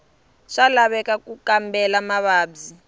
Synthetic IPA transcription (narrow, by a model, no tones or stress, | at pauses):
ʂalaβɛkakukambɛlamaβaːbzi